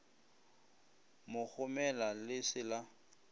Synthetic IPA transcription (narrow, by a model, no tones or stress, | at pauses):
mʊk͡xʰʊmɛlalɪsɪla